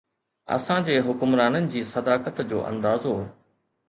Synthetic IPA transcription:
ɐ̰sãd͡ʑeːɦʊkʊmɾaːnənɪ̆d͡ʑiːsɐd̪aːkət̪d͡ʑo̰ːʔɐ̰̃nd̪aːzɦo

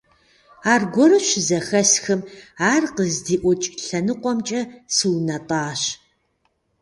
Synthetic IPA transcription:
aːrɡʷɔɾɨʃɪzɐxɐsxɨmaːrqəzdiːʔʷɔt͡ʃʼɬɐnɨqʷɔmt͡ʃʼɐsɨwnɐtʼaːɕ

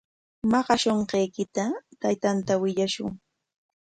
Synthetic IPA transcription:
mɑɢɑʃoɴqejkɪt̪at̪ajt̪ant̪awɪʎaʃʊ̰ŋ

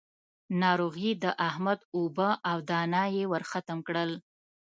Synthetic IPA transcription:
nɑɾoɣid̪əʔahmad̪obəʔawd̪ɑnɑjewəɾxat̪əmkɽəl

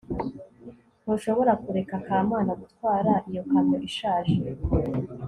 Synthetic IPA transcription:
nuʃo̞βo̞ɾakuɾe̞kakʰaːmaːnaɡutkwaːɾaʔijo̞kamoʔiʃaːʒe

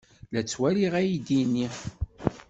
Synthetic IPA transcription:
læt͡sːwæliʁæjid̪inːi

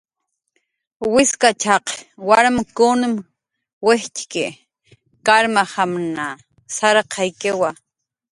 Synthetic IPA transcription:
wɪskat͡ʃɑqwaɾmakʊnɪm | weht͡ʃkɪ | kaɾmahamna | saɾqʰɑjkewa

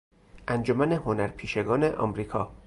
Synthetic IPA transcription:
ʔænd͡ʒomæne̞honæɾpʰiːʃe̞ɡɒːne̞ʔɒ̰mɾiːkʰɒː

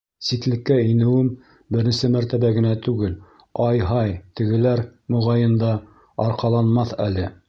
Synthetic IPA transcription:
sik̪lɘ̆kːæinɘ̆wɘm | bɘ̆ɾɘ̆nsɘmæɾt̪æβæɡɘ̆næt̪ʉɡɘl | ɑjɦɑjt̪ɘ̆ɡɘ̆læɾmŏʁɑjɤ̆nd̪ɑ | ɑɾqɑlˠɑnmɑθælɘ

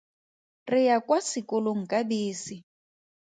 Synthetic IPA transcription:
rɪjakwasɪkɔloŋ̩kʼabiːsi

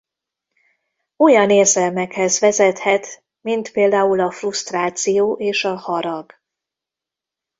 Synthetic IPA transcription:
ojɒneːrzɛlmɛkhɛzʋɛzɛt̪hɛt̪ | mint̪peːld̪aːulɒfrust̪raːt̪sijoːʔeːʃɒhɒɾɒɡ

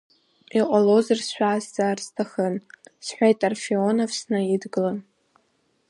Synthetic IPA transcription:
iqʷʼalozarsʃᶣʷazzarstʰaχənsħʷᶣajtʼarfionovsnɨidɡɨlan

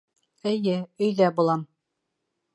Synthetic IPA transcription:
ɘ̆jɘɵ̆jðæbulˠɑm

